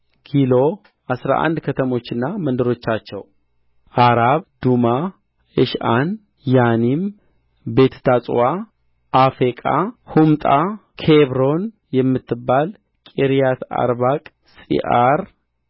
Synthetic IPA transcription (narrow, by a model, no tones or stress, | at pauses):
kʰilo̞ | ʔasɾa̰ʔa̰nd̪kʰət̪ʰəmo̞t͡ʃːɨnːamənd̪əɾo̞t͡ʃːat͡ʃːɛ̰w | ʔaɾaβd̪uma | ɨʃʔan | janim | be̞t̪ʰt̪ʰasʼwa | ʔafekʼahumt̪ʼa | kʰeβɾo̞n | jɛmːɨt̪ːɨbːal | kʼiɾijat̪ʰa̰ɾβakʼ | sʼḭʔaɾ